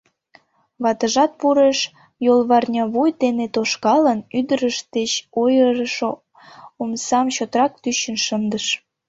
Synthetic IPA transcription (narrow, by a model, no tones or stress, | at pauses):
βɑt̪əʒɑt̪̚puɾeʃ | jolβɑrnʲɑβujt̪enet̪oʃkɑlənyd̪əɾəʃt̪et͡ɕojəɾəʃo | omsɑmt͡ɕot̪rɑk̚t̪yɕənʃənd̪əʃ